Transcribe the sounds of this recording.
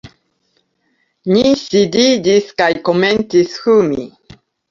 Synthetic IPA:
nisididiskajkomentishumḭ

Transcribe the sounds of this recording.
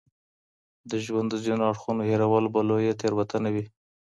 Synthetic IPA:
d̪əʒwand̪əzinaɽxunoheɾawalbalojet̪eɾwat̪ʰanawi

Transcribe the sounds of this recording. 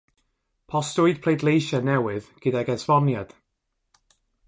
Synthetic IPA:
pʰɔstʊɨd̚pʰlejdˡlˠejʃanɛwɪðɡ̥ɨdaɡɛsvɔnjad̥

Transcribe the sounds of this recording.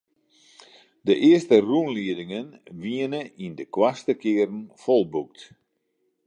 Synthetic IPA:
dəʔɪəstərunliədɪŋənʋiənəindəkwastəkɪːəɾn̩folˠbuk̚t

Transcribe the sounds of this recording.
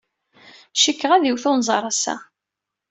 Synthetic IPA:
ʃikːəʁæðiwθʊnzˤɑɾˤɑsæ̰

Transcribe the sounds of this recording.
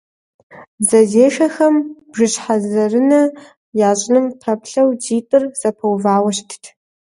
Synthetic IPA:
zɐzeːʃɐxɐmb̥ʒɨɕħazɐrɨnɐ | jaːɕʼnɨmpʰɐpɬɐwd͡ʒiːtʼɨrz̥ɐpʰɐwvaːwɐɕtʰtʰ

